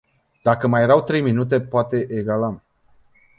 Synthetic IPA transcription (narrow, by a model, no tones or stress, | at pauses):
d̪̥akəmaje̞ɾawt̪ɾe̞jminut̪̬e̞poat̪e̞ʔeɡala